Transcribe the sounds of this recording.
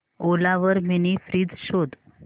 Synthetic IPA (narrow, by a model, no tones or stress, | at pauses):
olaʋəɾminifɾiːd͡zɕod̪